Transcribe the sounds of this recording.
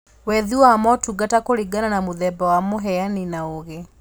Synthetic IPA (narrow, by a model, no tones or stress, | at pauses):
wɛðiwamɔtuɡatakoɾiɡananamoðɛbawamoɦɛaninaoɣe